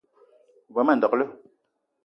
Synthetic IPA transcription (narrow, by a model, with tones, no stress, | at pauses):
vɔ˨˦mɛ˦˨n˨dɔ˨klə˦